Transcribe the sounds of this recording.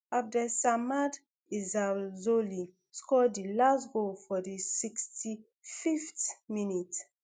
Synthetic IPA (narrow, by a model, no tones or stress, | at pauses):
afdɛsamad | izazoli | skɔdilastɡofɔdisiksti | fiftminit